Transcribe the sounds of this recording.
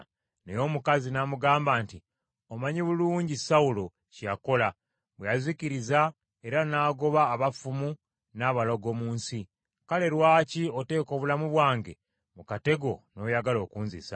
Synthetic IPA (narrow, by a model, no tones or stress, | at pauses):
nejo̞ːmukazinamuɡaːmbaːnti | omaɲiβuluːɲɟisaulo̞ | cija̰ko̞la | βwejaziciɾiza | e̞ɾanaːɡo̞βaːβafumu | naːβaloɡo̞muːnsi | kale̞ɾwaːcio̞te̞ːko̞ːβulamuβwaːŋɡe̞̰ | mukate̞ɡo̞no̞jaɡalo̞ːkuːnzḭsa̰